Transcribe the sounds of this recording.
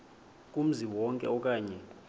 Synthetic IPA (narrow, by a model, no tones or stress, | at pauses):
kʼum̩ziwɔŋkʼɛ̰ɔkʼaːɲɛ